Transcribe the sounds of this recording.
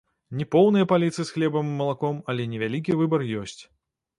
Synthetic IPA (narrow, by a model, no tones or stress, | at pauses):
nʲɛpɔwnɨjɐpalʲit̪sɨjɨsxlʲɛbɐmɨmɐlˠakɔmɐlʲɛnʲɛvʲalʲik̬ʲivɨbɐrjɔsʲt͡sʲ